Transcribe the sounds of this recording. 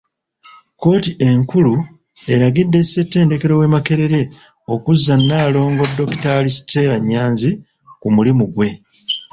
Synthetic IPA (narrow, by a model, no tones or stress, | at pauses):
ko̞ːtiʔe̞ŋkulu | e̞ɾaɡidːe̞se̞tːe̞ːnde̞ke̞ɾo̞we̞ːmake̞ɾe̞ɾe̞ | o̞kuzːanːaːlo̞ːŋɡo̞dːo̞ki̥taːlisi̥te̞ːɾaɲːaːnzi | kumulimuɡwe̞